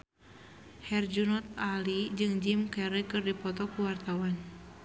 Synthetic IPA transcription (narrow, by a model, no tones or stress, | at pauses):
hɛrd͡ʒunɔt̪̚alid͡ʒɨŋd͡ʒimkɛɾikɨrdipɔt̪ɔkuwart̪awan